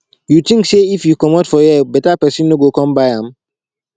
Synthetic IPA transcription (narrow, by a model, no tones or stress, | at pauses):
jut̪ĩŋkseifjukɔmɔtfɔjɛbɛtapɛsĩnːoɡokɔ̃mbaɪãm